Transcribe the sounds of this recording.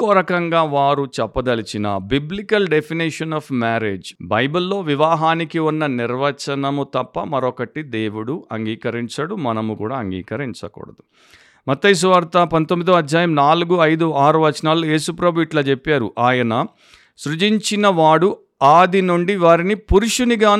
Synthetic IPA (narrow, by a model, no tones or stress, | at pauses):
kːoːɾɐkɐŋɡaːʋaːɾut͡ʃɛpːɐd̪ɐlit͡ʃinɐ̰biblikɐlɖepʰiniʂɐnɐːpmaːɾḛːd͡ʒbɐjbulːo̞ːʋiʋaːɦaːnikiunːɐniɾʋɐt͡ʃɐnɐmut̪ɐpːɐmɐɾɔkɐʈid̪eːʋuɽuʔɐŋɡiːkɐɾiɲt͡ʃɐɽumɐnɐmukṵːɽaːɐŋɡḭːkɐɾiɲt͡ʃɐkɔ̰ːɽɐd̪u | mɐt̪ːɐjs̬uʋaːɾt̪ɐpɐnt̪omːid̪ɐːɐd̪ʱjaːjɐmnaːluɡuɐjd̪uaːɾuʋɐt͡ʃnaːlːojeːsupɾɐbiːʈloːt͡ʃepːaːɾuʔaːjɐnɐ | sɾud͡ʒiɲt͡ʃinɐʋaːɽu | aːd̪inuɳɖiʋaːɾinipuɾuʂuniɡaː